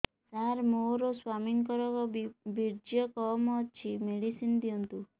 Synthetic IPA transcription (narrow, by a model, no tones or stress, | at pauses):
t̪aɾmoɾɔswamiŋkɔɾɔkɔbiɾd͡ʒjɔkɔmɔt͡ʃʰimeɽisind̪ijɔnt̪u